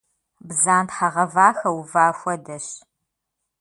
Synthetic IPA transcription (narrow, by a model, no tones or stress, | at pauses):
bzaːntħɐʁɐvaːxɐwuvaːxʷɔdɐɕ